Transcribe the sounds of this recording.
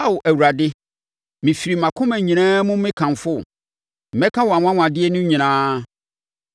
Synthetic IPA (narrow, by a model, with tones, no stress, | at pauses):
a˦wʊ˨ʔæ˨wu˨ɾa˨dɪ˦ | mɪ̃˨fi˨ɾi˨mã˨kʰʊ̃˦mɛ̃˨ɲĩ˨ñãː˦mʊ̃˦mɪ̃˦kʰã˨m˨fʊ˦˨ | ɛ̃˦kʰã˦wɔ˨a˨wʷã˦w̃ʷã˨dɪ˦ɛ˦nʊ̃˦ɲĩ˨ñãː˦